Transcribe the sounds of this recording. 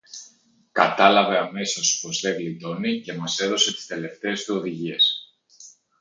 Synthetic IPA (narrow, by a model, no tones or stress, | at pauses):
kɐt̪ɐlɐve̞ɐme̞siospo̞sðe̞ɣlit̪o̞nice̞mɐse̞ðo̞se̞t̪i̥st̪e̞le̞ft̪e̞ːst̪uo̞ðiʝie̞s